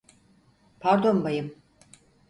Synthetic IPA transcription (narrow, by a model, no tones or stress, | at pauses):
pʰaɾd̪ombajɯm